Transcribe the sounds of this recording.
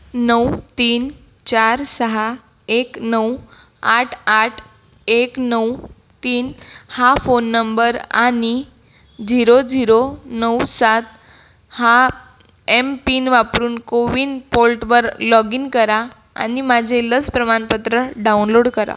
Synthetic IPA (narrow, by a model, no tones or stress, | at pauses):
nəwt̪iːn | t͡ɕaɾsəɦa | eknəw | aʈʰaʈʰ | eknəw | t̪iːnhafonːəmbəɾani | d͡ʑiɾod͡ziɾonəwsat̪ | ha | empiːnʋapɾuːnkoʋiːnpolʈʋəɾlɔɡinkəɾa | a̰nimad͡ʑʱeləspɾəmanpət̪ɾəɖawnloɽkəɾa̰